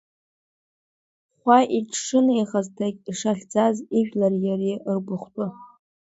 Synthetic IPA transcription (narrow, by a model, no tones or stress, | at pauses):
χʷaʔiʈ͡ʂʰʂɨnjʁaztʰakʲʼiʂaɬʲd͡zaziʒᶣlarjarirbʷʊχʷtʼʊ